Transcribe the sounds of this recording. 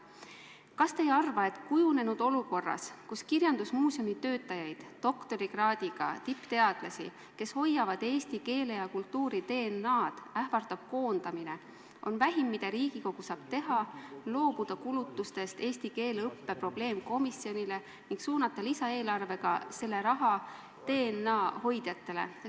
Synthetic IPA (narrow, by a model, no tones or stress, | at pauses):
kɑst̪e̞jɑrvɑe̞t̪ːˑkujune̞nud̪̥o̞luko̞rːɑ̰skuskirjɑnd̪̥usmuːsio̞mit̪ø̞ːt̪ːˑɑjɑjd̥̪ːo̞kt̪o̞ɾiɡrɑːd̪̥iɡ̥ɑ̰t̪ipːt̪e̞ɑd̪̥lɑsḭ | ke̞sho̞jːɑvɑd̪̥e̞ːst̪ike̞ːle̞jɑkult̪ːuːɾit̪e̞ːnːɑːd̪̥æhvɑrt̪ɑb̥̚ko̞ːnd̪̥ɑmine̞ | ʔo̞nvæɦimːid̪̥ɑɾiːɡ̥iko̞ɡ̥usɑːb̥̚t̪e̞ɦɑlo̞ːb̥ud̪̥ɑkulut̪ːˑust̪e̞st̪e̞ːsʲt̪ike̞ːlɤpːe̞pro̞b̥le̞ːmko̞misːjo̞nʲile̞ | niŋɡ̥suːnɑt̪ːˑɑlisɑe̞ːlɑrve̞ɡ̥ɑse̞lːe̞ɾɑɦɑ | t̪e̞ːnːɑːho̞jd̪̥jɑt̪ːe̞le̞̰